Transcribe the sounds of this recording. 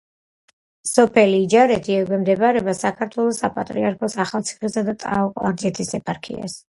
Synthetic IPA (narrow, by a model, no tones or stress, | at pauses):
sɔpʰɛliːd͡ʒaɾɛt̪ʰiɛɡwɛmd̪ɛbaɾɛbasakʰaɾt̪ʰwɛlˠɔsapʼat̪ʼɾiaɾkʰɔsaχalˠt̪sʰi̥χisad̪at̪ʼa̰ɔqʼɔwaɾd̪zɛt̪ʰisɛpʰaɾkʰḭa̰s